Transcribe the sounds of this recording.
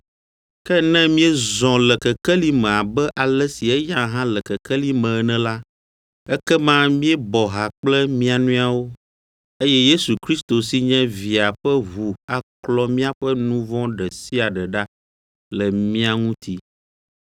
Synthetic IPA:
kɛ˦nɛ̃˦mĩ˦ɛ˦zɔ̃˨lɛ˨kɛ˨kɛ˦li˦mɛ̃˨a˨bɛ˦ʔa˨lɛ˦si˨ɛ˦jã˦ɦã˦lɛ˨kɛ˨kɛ˦li˦mɛ̃˨˦˨nɛ̃˦la˦ | ɛ˦kɛ˦mã˦mĩ˦ɛ˦bɔ˨ɦa˨k͡plɛ˦mĩ˦a˨nũ˦a˦˨wo˦ | e˦jɛ˦je˦su˨kɾi˦st̪o˨si˦ɲɛ̃˦vi˨a˨ɸɛ˦vu˨a˨klɔ˦mĩ˦a˦ɸɛ˦nũ˦vɔ̃˦ɖɛ˨si˦a˨ɖɛ˨ɖa˦ | lɛ˨mĩ˦a˨ŋũ˦t̪ʰi˦

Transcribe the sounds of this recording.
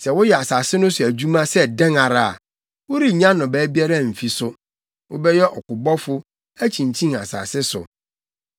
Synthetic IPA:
sɛ˨wʊ˦jɛ˨a˨saː˨sɪ˦nʊ̃˦sʊ˨æ˨d͡ʑᶣu˦mã˦sɛ˦dɛ̃˦ŋa˨ɾa˦˨a̰˨ | wʊ˦ɾi˦ɲã˦nʊ̃˨bɛː˨˦bi˦a˦ɾa˦˨m̩˨fi˨sʊ˦ | wʔʊ˦bɛ˦jɛ˦ʔɔ˨kʊ˨bɔ˦fʊ˦ | æ˦t͡ɕʰĩ˨ɲ˨t͡ɕʰĩ˦a˨sa̰ː˨sɪ˦sʊ̰˨

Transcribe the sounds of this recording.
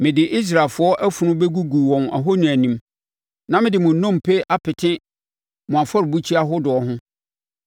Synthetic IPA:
mɪ̃˨dɪ˨ʔi˦s̬ɾa˨lfʊ˨˦ɔ˦ʔæ˦fu˨nʊ̃˦be˦ɡu˦ɡu˨wɔ̃˨na̰˨ɦo˦nĩ˨æ˨nĩ˦m | nã˦mɪ̃˦dɪ˨mʊ̃˨nɔ̃˦˨m˨pʰe˦ʔa˦pʰɪ˨tʰɪ̃˦ | mʊ̃˨a˨fɔ˦ɾɪ˨bu˦t͡ɕʰi˦a˦ɦʊ˦dʊ˨ɔ˨ɦʊ̃˦

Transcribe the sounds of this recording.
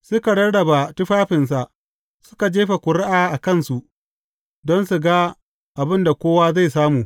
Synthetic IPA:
sʊ˦ka˨ɽɐ˦ɽɽɐ˨ba˨tʊ˦ɸaː˦ɸɪ˨ns̬a˨ʔ | sʊ̥˦ka˨d͡ʒeː˦ɸa˨kʷʊ˨ɽɪ˦ʔaː˨ʔa˨kɐ˦˨nsu˨ʔ | dɔ˦nsu˨ɡa˦ | ʔa˨bɪ˦nda˨kʷoː˦waː˦za˦˨jsaː˦muː˨

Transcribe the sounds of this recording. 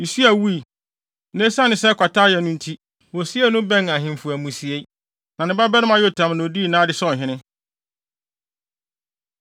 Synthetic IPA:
ni˨si˦æ˨wu˦i˨ | nẽ˦sã˦nɪ̃˨sɛ˦kʰʷa˨tʰaː˦jɛ˨nʊ̃˦n̩˦tʰi˦ | wɔ˨si˦ɛ˦nʊ̃˦bɛ̃˦na˨ɦɪ̃˨m˨fu˨æ˨mũ˨si˨e˦ | nã˨nɪ̃˦ba˦bɛ˦nɪ̃˦mã˦jo˦tʰã˨mñ˨o˨di˦˨nãː˦dɪ˦sɔ̃˦˨ɦɪ̃˦nɪ̃˦

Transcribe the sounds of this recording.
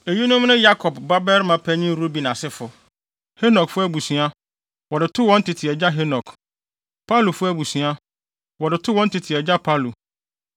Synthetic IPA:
e˨ji˦nʊ̃˦mnʊ̃˦ja˦kʰɔ˨bba˦bɛ˦ɾmã˦pʰæ˦ɲĩ˦ɾo˦bi˨nã˨sɪ˦fʊ˨ | he˦nɔ˨kfʊ˦æ˨bu˨sũ˨a˦ | wɔ˨dɪ˨tʰʊ˦wɔ̃˦n̩˦tʰɪ˨tʰɪ˨ɛ˨d͡ʑa˦ɦe˦nɔ˨kʰ | pʰa˦lu˨fʊ˦æ˨bu˨sũ˨˦a˦ | wɔ˨dɪ˨tʰʊ˦wɔ̃˦n̩˦tʰɪ˨tʰɪ˨ɛ˨d͡ʑa˦pʰa˦lu˨

